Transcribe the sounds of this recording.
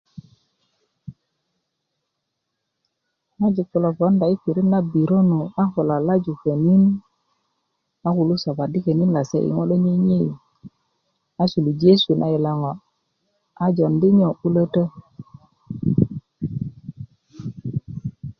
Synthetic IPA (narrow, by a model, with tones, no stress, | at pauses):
na˦d͡ʒi˨ku˨lo˨vo˨˦nda˨i˦fi˨ɾi˦nːa˦bi˨ɾo˦nu˨a˦hu˨la˨la˦d͡ʒu˨kə˨ni˦n | a˦ku˨lu˦sa˨ba˨di˦ke˨ni˦nla˨sḛ˦ʔḭ˨ŋo˦ɗo˦ɲi˦ɲi˦˨ | a˦su˨lu˨d͡ʒe˦su˨nʔa̰˦i˨la˦ŋo˨ | a˨d͡ʒo˨ndi˦ɲo˨u˦lə˦tə˦